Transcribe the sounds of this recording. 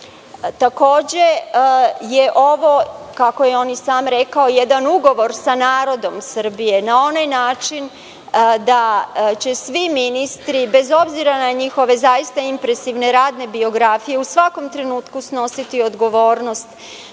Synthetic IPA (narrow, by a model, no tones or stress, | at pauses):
t̪ako̞ːd͡ʑe | jeʔo̞ʋo̞kako̞jeo̞ːnisaːmɾe̞kao̞je̞d̪anuɡo̞ʋo̞ɾsanaːɾo̞d̪o̞msər̩bije̞nao̞najnaːt͡ʃin | d̪at͡ɕe̞sʋiminist̪ɾibe̞zo̞bziɾanaɲixo̞ʋe̞zajist̪aimpɾe̞siʋne̞ɾaːd̪ne̞bio̞ɡɾafije̞usʋako̞mt̪ɾe̞nuːt̪kusno̞sit̪io̞d̪ɡo̞ʋo̞ːɾno̞st̪